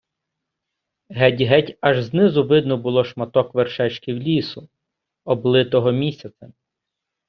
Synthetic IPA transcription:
ɦɛtʲɦɛtʲɐʒznɪzʊʋɪd̪nʊbʊlˠɔʃmɐt̪ɔkʋerʃɛt͡ʃkɪwlʲisʊ | ɔblˠɪt̪ɔɦɔmʲisʲɐt͡s̪ʲɐ

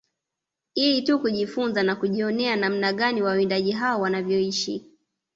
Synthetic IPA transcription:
hiitukuʄifunzanakuʄiɔnɛanam̩naɠaniwaindaʄiɦaɔwanavjɔiʃi

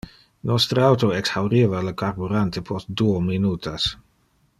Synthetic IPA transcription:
nɔst̪ɾəawt̪oɛksawɾivaləkaɾbuɾant̪epʰost̚d̪uominuːt̪ʰas

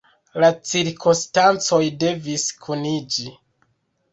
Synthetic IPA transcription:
lat͡siɾkʰonstant͡so̞jde̞viskʰunid͡ʒi

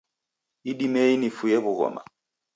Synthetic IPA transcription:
iɗimɛinifujɛβuɣɔ̰ma̰

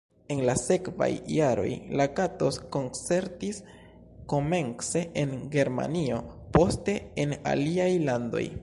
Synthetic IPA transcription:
e̞nlase̞kva̰jːaɾo̞̰jlakato̞sko̞nt͡se̞ɾtis | ko̞me̞nkse̞ʔenɡe̞ɾma̰nio̞po̞ste̞ena̰liajlando̞̰j

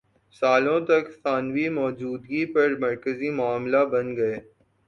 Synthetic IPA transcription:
saːlõt̪ɐkt̪aːnʋimɔːd͡ʒuːd̪ɡipɐɾmɐɾkəzimʊaːmlabɐ̃nɡɐeː

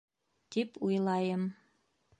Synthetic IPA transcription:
t̪ipʰujlˠɑjə̆m

